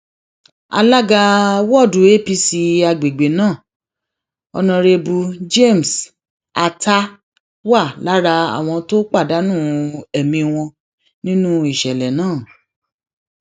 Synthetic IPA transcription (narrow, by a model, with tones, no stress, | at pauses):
a̰˧la˦ɡa˧wɔ˦˨du˨˦e˦pi˧si˧a˧ɡ͡be˨ɡ͡be˨nãː˦˨ | ɔ˧nã˧ɾe˧bu˧d͡ʒe˦˨m̩˨s | a˧ta˦ | wa˦˨la˨˦ɾa˧a̰˦˨w̃ɔ̃˧to˦k͡pa˦˨da˨˦nũ˦˨ɛ˨mĩ˧w̃ɔ̃˧ | nĩ˦nũ˦i˦˨ʃɛ˨lɛ˨nãː˦˨